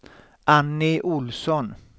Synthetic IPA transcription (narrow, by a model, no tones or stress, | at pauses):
ʔanːɪʔʊlsɔn